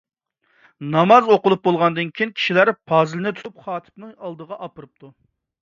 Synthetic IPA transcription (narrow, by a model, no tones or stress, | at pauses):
nɑmɑzoqʊlˠup̚bolˠʁɑnd̪ɨnkʲʰiinkʲʰi̥ʃilæɾpʰɑːzɨlɪnɪt̪ʰʊ̥t̪ʰupχɑːt̪ʰɨ̥pnɨŋɑlˠd̪əʁɑʔɑpɨɾɨp̚t̪ʰu